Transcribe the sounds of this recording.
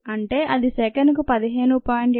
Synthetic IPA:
ɐɳʈe̞ːʔɐd̪isɛːkɐnikupɐd̪iɦe̞ːnupaːɳɖi

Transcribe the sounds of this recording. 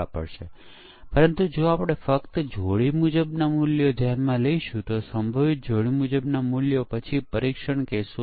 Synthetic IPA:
apə̰ɽʃe | pəɾənt̪ud͡ʒoapɽ̃efəkt̪d͡ʒʱoɭimud͡ʒəbnamuljod̪janmãləiʃũt̪osəmbʱəʋit̪̚d͡ʒʱoɭimud͡ʒəbnamuljopət͡ʃʰipəɾikʃəɳkeso

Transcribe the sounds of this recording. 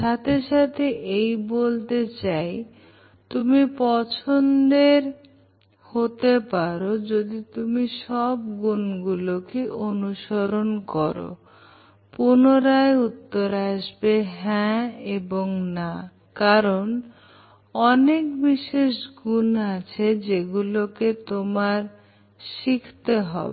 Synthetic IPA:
ʃat̪ʰeʃat̪ʰeʔejbolt̪et͡ɕaj | t̪umipɔt͡ɕʰond̪eɾ | hot̪epaɾod͡ʑod̪it̪umiʃɔb̚ɡunɡulokeʔonuʃoɾonkɔɾo̰ | punoɾaeut̪ːoɾaʃbeɦɛ̃eboŋna | kaɾon | ɔnekbiʃeʃɡunat͡ɕʰed͡ʑeɡuloket̪omaɾ | ʃikʰt̪eɦɔ̰bee

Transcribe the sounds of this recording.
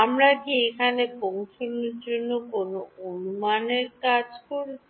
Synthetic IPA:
amɾad̪ʱiekʰanekoŋkʰinoɾd͡ʑonːokonoonumaneɾkad͡ʑkoɾ

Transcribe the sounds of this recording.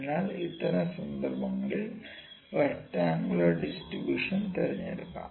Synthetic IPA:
nːaːlit̪ːɐnɐsɐnd̪ʱɐrbɐŋːɐɭil | ʋɐtːaːŋɡɐɭoɖisʈribjuːʂɐnt̪ɐɾɐɲːɐɾukːa̰

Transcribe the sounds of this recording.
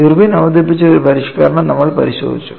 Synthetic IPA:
irbinɐʋɐd̪ip̬ːit͡ɕːɐoɾupɐɾiʂkɐ̰ːɾɐɳɐnɐmːɐɭpɐ̰ɾiɕo̰ːd̪it͡ɕːu̥

